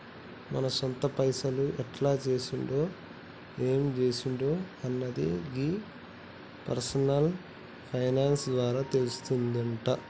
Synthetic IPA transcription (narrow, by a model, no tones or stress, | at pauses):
mɐnɐsɔnt̪ɐpɐjsɐluʔɛʈlaːt͡ʃe̞ːsuɳɖo̞ː | eːmd͡ʒe̞ːsuɳɖo̞ːɐnːɐd̪ḭɡi | pɐ̰ɾsɐnɐl | pʰɐjnaːnsd̪ʋaːɾaːt̪e̞lust̪und̪ɐɳʈɐ